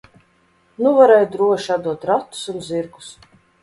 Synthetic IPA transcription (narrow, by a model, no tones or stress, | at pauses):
nuvaɾɛːjud̪ɾuɔʃiad̪uɔt̪ɾat̪ːu̥sunziɾɡu̥s